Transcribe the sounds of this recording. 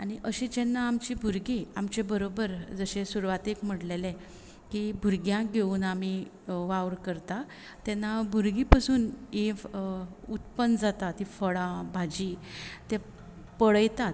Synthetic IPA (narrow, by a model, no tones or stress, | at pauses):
aɽ̃iʔəɕed͡ʑɛnːaːmt͡ɕibʱuɾɡiamt͡ɕebəɾobəɾd͡zəɕẽsuɾʋat̪ekm̤əʈlelẽ | kibʱuɾɡjãɡʱeuːnami | ʋaʋɾkəɾt̪a | t̪ɛnːabʱuɾɡipasuːni | ut̪pənd͡zat̪at̪ɦifəɭãbʱad͡ʑit̪e | pəɭəjt̪at̪